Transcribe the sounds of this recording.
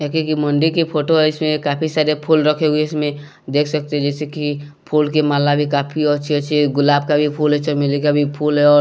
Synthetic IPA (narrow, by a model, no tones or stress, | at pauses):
ɛkekiməɳɖikipʰoʈoɦɛɪsmẽkaːpʰisaːɾepʰulɾəkʰeɡueɪsmẽ | d̪eːkʰsək̚t̪eɦɛd͡ʒɛːseki | pʰuːlkemaːlabʱikaːpʰiɔt͡ʃʰiɛt͡ʃʰeɡʊlaːb̚kabʱipʰulɦɛt͡ʃʰɔmɪlekabʱipʰuːlɦɛɔːɾ